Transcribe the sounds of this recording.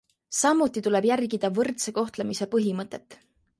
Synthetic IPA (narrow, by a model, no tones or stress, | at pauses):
sɑmːut̪ːˑit̪ule̞b̥jærɡid̪̥ɑvɤrt̪seko̞ht̪lemise̞pɤɦimɤt̪ːˑe̞t̪ːˑ